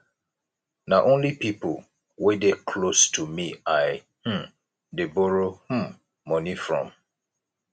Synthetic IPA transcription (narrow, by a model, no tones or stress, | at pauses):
naʔõnlipipl | wedekʰlostʰumiaɪ | h̩ | deboɹoh̩ː | ɔ̃nifɹɔ̰̃m